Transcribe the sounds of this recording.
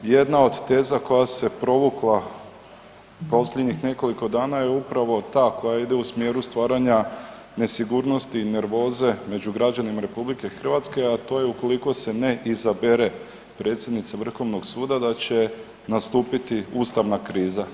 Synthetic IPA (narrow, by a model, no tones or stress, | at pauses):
je̞d̪nao̞d̪t̪e̞ːzako̞jase̞pɾo̞ʋuklˠa | po̞sʎʲed̪ɲixne̞ko̞liko̞d̪aːnajeupɾaʋo̞t̪aːko̞jaid̪eusmje̞ːɾust̪ʋaːɾaɲa | ne̞siɡuːɾno̞st̪iːne̞ɾʋo̞ːze̞me̞d͡ʑuɡɾad͡ʑanimaɾe̞publike̞xr̩ʋat̪ske̞at̪o̞ːjeuko̞liko̞se̞ne̞ʔizabe̞ɾe̞ | pɾe̞ːt̪sʲje̞d̪nit̪saʋr̩xo̞ʋnoɡsuːd̪ad̪at͡ɕe̞ | nast̪uːpit̪iuːst̪aʋnakɾiːza